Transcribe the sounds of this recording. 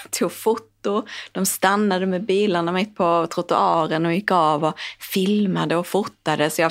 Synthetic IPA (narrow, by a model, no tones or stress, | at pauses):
t̪ʰuːɡfʊt̪ːʊdd̪̥ɔmst̪anːad̪əmɛbiːlaɳamɪt̪̚ːpʰɔt̪ʰɾʊt̪ʊɑːɾənɔjɪkːɑːvɔfɪlmad̪əɔfʊt̪ːad̪əsɔja